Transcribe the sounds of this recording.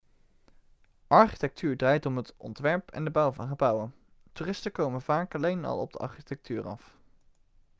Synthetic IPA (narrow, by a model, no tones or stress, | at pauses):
ʔɑɹχitɛk̚tʰyːɹdraːjtɔmɦətɔ̰ntʋɛɹpʰɛ̰ndəbʌwvɑnχəbʌwən | tyːrɪstəkowmənv̥aːkɑlejnɑ̰lˠɔ̰b̚dəʔɑ̰ɹχitɛk̚tʰyːrɑ̰f